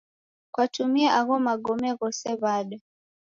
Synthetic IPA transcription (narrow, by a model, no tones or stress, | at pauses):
kwatumiaʔaɣɔmaɡɔmɛɣɔsɛβaɗɔ